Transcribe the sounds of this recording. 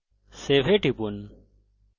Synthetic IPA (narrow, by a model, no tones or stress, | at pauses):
seːʋeːʈipun